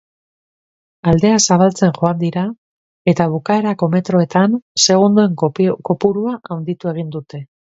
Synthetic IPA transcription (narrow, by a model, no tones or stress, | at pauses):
ald̪e̞asaβalt͡se̞nʝo̞and̪iɾa | e̞t̪aβukae̞ɾako̞me̞t̪ɾo̞e̞t̪anse̞ɣ̞und̪ue̞ŋko̞puɾuaʔawnd̪it̪ue̞ɣ̞ind̪ut̪e̞